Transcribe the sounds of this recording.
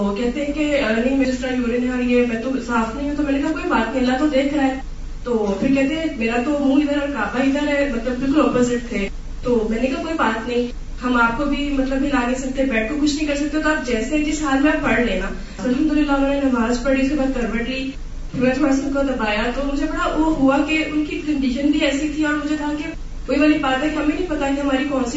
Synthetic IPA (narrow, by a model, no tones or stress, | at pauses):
t̪okɛɦt̪ẽɦɛ̃keɐlnɪ̃ŋmed͡ʒɪsʈɾamuːɾenɦãiɛmɛ̃ːt̪osaːfnɐɦĩɦɛt̪omɛ̃ːnekakoːibaːt̪nəɦĩɐlːat̪od̪eːkʰɾaɦɛː | t̪oːfɪɾkɛɦt̪ẽɦɛ̃meːɾat̪oɾũːŋɡɪd̪əɾɔɾkaːbaɪd̪əɾɦɛmɐt̪ləbːɪlkʊlɔːpozɪʈ̚t̪ʰeː | t̪oːmɛ̃ːnekakoːibaːt̪nɐɦĩ | ɦɐmaːp̚kobʱimɐt̪ləbːilaːɡ̪esɐk̚t̪eɦɛ̃bɛːʈ̚ʰkokʊt͡ʃʰnɐ̃ɦĩkɐɾsɐk̚t̪eɦt̪oaːpd͡ʒɛːseɦɛkɪsɦaːlmẽapɐɽleːnaː | ɐlɦɐmd̪ʊlɪlːamɛːnenɐbʱaːzpɐɖisebaːt̪̚kɐɾbəʈi | pʰɪɾɛːtʰmɐsɐkod̪ɐbaːjat̪omʊd͡ʒʱebɐɽaʋoɦuakeʔʊnkikɐ̃ɳɖɪʃənbʱiɛːsit̪ʰiɔːɾmʊd͡ʒʱekɐɦake | koːiʋalĩbaːt̪ɦɛkiɦɐmẽnɐ̃ɦĩpɐt̪akɦɐmaːɾikɔ̃ːnsi